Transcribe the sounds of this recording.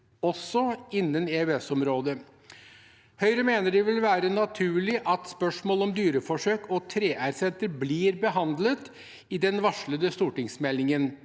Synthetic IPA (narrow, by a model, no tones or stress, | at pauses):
ɔsːɔɪnːəneːʉɛsɔmɾoːd̪ə | hœʏɾəmeːnəɖɪʋɪlʋæːɾənɑt̪ʰʉːɭɪʔɑt̪spœʂmoːlɔmd̪yːɾəfɔʂøːkʰɔt̪ʰɾeːʔæɾsɛnt̪əɾbliːɾbəɦɑnd̪lət̪ | ɪd̪ɛnʋɑʂɭəd̪əst̪uːʈɪŋsmɛlːɪŋən